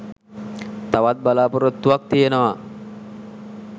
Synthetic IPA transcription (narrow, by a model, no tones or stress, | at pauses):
t̪aʋat̪̚balaːpoɾot̪ːuʋak̚t̪ijenoʋa